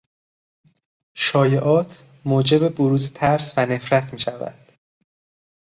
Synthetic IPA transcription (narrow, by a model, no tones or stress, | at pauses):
ʃɒːjeʔɒːt̪ʰ | moːd͡ʒe̞be̞boɾuːzet̪ʰæɾsvæne̞fɾæt̪ʰmiːʃævæ̰d̪̥